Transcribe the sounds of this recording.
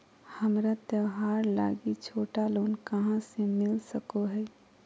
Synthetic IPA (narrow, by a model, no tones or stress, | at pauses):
həmɾat̪əʋɦaːɾla̰ːɡit͡ʃʰoːʈaloːnkəɦãsemɪlsəkoɦɛː